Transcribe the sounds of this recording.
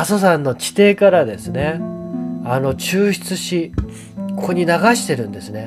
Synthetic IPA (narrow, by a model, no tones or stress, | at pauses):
aso̞sãnːo̞t͡ɕi̥t̪e̞ːkaɾad̪e̞sɨne̞ | ano̞t͡ɕɨːɕi̥t͡sɨɕi | kʰoɲ̟inaɡaɕi̥t̪e̞ɾɯ̟̃nd̪e̞sɨne̞